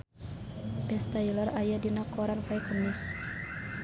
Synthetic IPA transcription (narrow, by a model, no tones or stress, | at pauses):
bɛst̪ajilərajadinakɔɾanfajkəmis